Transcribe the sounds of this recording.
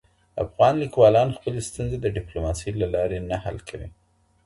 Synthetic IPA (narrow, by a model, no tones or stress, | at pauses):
a̰fɣɑnlikwɑlɑnxpəlest̪unzed̪əɖɪplomɑsijlalɑɾenaha̰lkʰawḭ